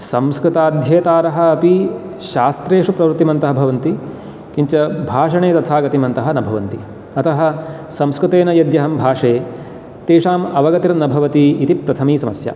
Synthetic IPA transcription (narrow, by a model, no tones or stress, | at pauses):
sɐmskɾɪt̪aːd̪ʱjɐːt̪aːɾɐɦɐ̆ɐpi | ʃaːst̪ɾeːʂupɾɐʋɾt̪ːimɐnt̪ɐɦɐbʱɐʋɐnt̪i | kiɲt͡ʃɐbʱaːʂɐɳeːt̪ɐt̪ʰaːɡɐt̪imɐnt̪ɐɦɐ̆nɐbʱɐʋɐnt̪i | ɐt̪ɐɦɐ̆ | sɐmskɾut̪eːnɐjɐd̪jɐɦɐmbʱaːʂeː | t̪eːʂaːmɐʋɐɡɐt̪iɾɐnɐbʱɐʋɐt̪iːt̪ipɾɐt̪ʰɐmiːsɐmɐsja̰